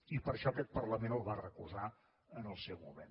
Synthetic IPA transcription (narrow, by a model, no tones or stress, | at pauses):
ipəɾʃɔkɛt̪̚pərləmenəlˠβarəkuza | ənəlˠsɛwmṵmḛn